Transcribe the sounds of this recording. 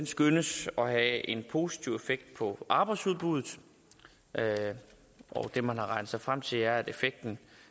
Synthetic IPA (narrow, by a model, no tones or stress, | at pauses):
ensɡ̥ønəsɒ̽ɦæe̝npʰo̝si̥t͡sʰiʊ̰efeɡ̥̚d̥̚pʰɒ̽ʔɑ̈ːb̥ɑ̈ɪdsuðˠb̥uð̞ˠð̩ˠ | ʔɒd̥e̝mænhɑ̈ʁɑ̈ɪnð̩ˠsɑ̈ɪfʁam̰t͡sʰe̝læɐæɾe̝feɡ̥̚d̥n̩